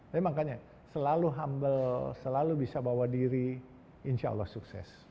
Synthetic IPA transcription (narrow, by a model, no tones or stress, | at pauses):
emakaɲa | səlaluɦambəlsəlalubisabawadiɾi | inʃaə̰lːɔ̰hsuksɛ̰s